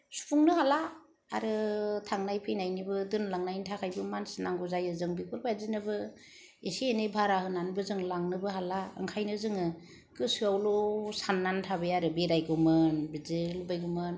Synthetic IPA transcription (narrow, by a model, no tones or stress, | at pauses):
su̥pʰuŋnɯhalaː | ɾɯtʰaŋnajpʰɯjnajnibɯdɯnlaŋnajntʰakʰajbɯmansnaŋɡuzajɯzɯŋbikʰuɾbʰajzinɯbɯ | esienɯbʱaɾahɯnanbɯzɯŋlaŋnɯbɯɦalaɯ̰ŋkʰajnɯzɯŋɯ | kɯsɯawlosanːantʰabeaɾɯbeɾajɡɯmɯnbizelubajɡumɯn